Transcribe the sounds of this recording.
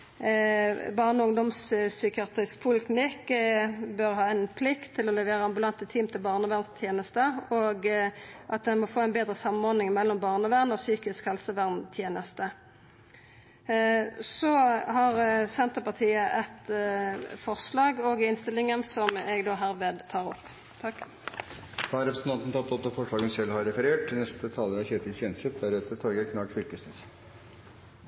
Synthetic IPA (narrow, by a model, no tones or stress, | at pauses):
bɑʁnʊŋd̪ɔmssʏkɪɑːt̪ʁɪsk̚pʰʊlɪt̪mɪkː | bœʁhɑːænpʰlɪkt̪ʰːɪlɔlɛʋeːʁəɑmbʉlɑnt̪ət̪ʰiːmt̪ʰɪlbɑːʁnəʋæʁnst̪ʰjeːnəst̪əɔɡ | ʔɑt̪̚d̪ɛnmɔfoːæɪnbeːd̪ɾəsɑmːəmɔʁd̪ɪŋmɛlːɔmbɑːʁnəʋæʁnɔsyːkɪskhɛlsəʋæʁnt̪ʰjeːnəst̪ə | sɔhɑʁsɛnt̪əpɑt̪ʰiːəʔɛt̪ | fɔʁʂlɑːɡoɡɪnst̪ɪlːɪŋənsɔmɛɡd̪oːɦæːʁʋeːd̪t̪ʰɑːʁɔpː | t̪ʰɑk | d̪̥ɑːɾɛpɾəsən̩t̪ʰɑnt̪n̩t̪ɑnt̪ːɔd̪ɑfɔʂɭɑːɡənsɛlhɑɾɛfəɾeːʈ̚t̪ʰɪnɛst̪ət̪ʰɑːləɾɑçeːt̪ʰɪlçeːnsət̪̚d̪æɾeːt̪əɾt̪ʰɔɡəkʰnɑːɡfʏɾkəsnəs